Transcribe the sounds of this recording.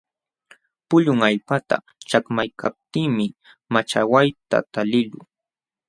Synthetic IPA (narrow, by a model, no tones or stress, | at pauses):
pʊʎʊŋaʎpat̪a̰ | t͡ʃakmajkʰap̚t̪ɪːmɪ | mat͡ʃawajt̪a̰t̪alɪlʊ